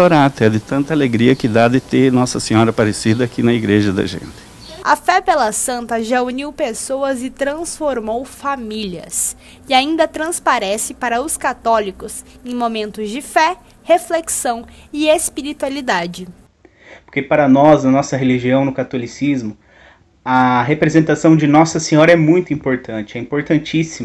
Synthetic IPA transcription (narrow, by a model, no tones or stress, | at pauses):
oɾat̪ʊɛd̪ɪt̪ɐ̃nt̪ɐaleɡɾiɐkɪd̪ad̪ɪt̪enɔsɐsẽɲɔɾɐpaɾesid̪ɐakinɐiɡɾeʒɐd̪ɐ̰ʒḛ̃nt̪ɪ̥ | ɐfɛpelɐsɐ̃nt̪ɐʒauniwpesowɐzɪt̪ɾɐ̃sfoɾmowfamiliɐ̰s | ɪaĩnd̪ɐt̪ɾɐ̃spaɾɛsɪpaɾɐʊskat̪ɔlikʊsẽj̃momẽnt̪ʊzd͡ʒɪfɛ | hefleksɐ̃w̃ɪespiɾit̪ualid̪ad͡ʒɪ | poɾkepaɾɐnɔznɐnɔsɐɦeliʒiɐ̃w̃nʊkat̪olisizmʊ | ɐɦepɾezẽnt̪asɐ̃w̃d͡ʒɪnɔsɐsẽɲɔɾɐɛmũj̃t̪ʊĩpoɾt̪ɐ̃nt͡ʃɪɛĩpoɾt̪ɐ̃nt͡ʃisimɐ